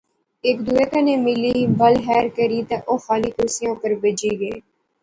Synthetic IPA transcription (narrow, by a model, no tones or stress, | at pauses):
ɪkd̪uːeːkaneːmɪliːbəlɦɛːɾkəɾiːt̪ãːʔoːxaːliːkʊɾsɪjõːpəɾbeːd͡ʒiːɡeiː